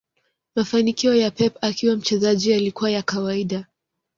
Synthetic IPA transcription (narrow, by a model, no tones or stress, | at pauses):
mafanikiɔjapɛpakiwam̩t͡ʃɛzaʄialikuwajakawaiɗa